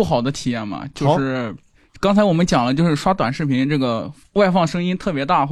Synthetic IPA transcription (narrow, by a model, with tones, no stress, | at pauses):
u˥˩xɑ˨˩ʊd̪ə˦t̪ʰi˨˩jɛ˥˩nmɐ̰˩t͡ɕjo˥˧ʊʂɻ̩˥˩ | kɑ˥ŋt͡sʰa˧˥ɪwɔ˨˩mə˦nt͡ɕjɑ˨˩ŋlə˦t͡ɕjo˥˧ʊʂɻ̩˥˩ʂwa˥t̪wa˨˩nʂɻ̩˥˩pʰi˧˥nʈ͡ʂɤ˥˩ɡə˩ | wa˥˧ɪfɑ˥˩ŋʂɤ˥ŋi˥nt̪ʰɤ˥˩pjɛ˧˥t̪a˥˧x